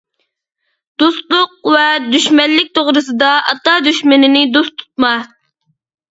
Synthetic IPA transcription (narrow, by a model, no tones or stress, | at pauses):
d̪̥ust̪lˠʊq̚vɛd̪yʃmɛllːɪk̚ʲt̪ʰoʁɾɨsɨd̪ɑɑt̪ɑd̪yʃmɪnɪnɪd̪ust̪ʰu̥t̪̚mɑ